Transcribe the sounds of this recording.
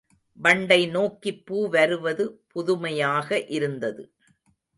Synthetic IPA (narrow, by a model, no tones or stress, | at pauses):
ʋɐɳɖɐɪnoːkːɪpːuːʋɐɾɯʋɐðɯpʊðʊmɐjaːɣɐʔɪɾɯnd̪ɐðɯ